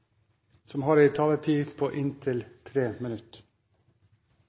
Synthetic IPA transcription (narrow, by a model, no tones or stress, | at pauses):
sɔmhɑːɾɛːt̪ʰɑːlət̪ʰiːpʰoːʔɪnt̪ʰɪlt̪ʰɾeːmənʉt̪